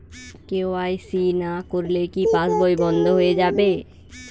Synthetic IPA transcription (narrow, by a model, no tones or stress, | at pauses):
kewajsinakoɾlekipãsbojbɔnd̪ʱoɦoed͡ʒabe